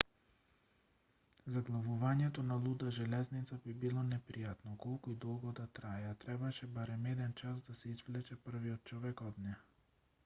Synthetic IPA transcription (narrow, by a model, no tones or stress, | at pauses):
zaɡlˠavuvaɲɛt̪onalˠud̪aʒɛlɛznit̪sabibilˠɔnɛpɾijat̪nɔkɔlˠkuid̪ɔlˠɡɔd̪at̪ɾaɛat̪ɾɛbaʃɛbaɾɛmɛd̪ɛnt͡ʃasd̪asɛizvlɛt͡ʃɛpər̩viɔt̪̚t͡ʃɔvɛkɔd̪nɛ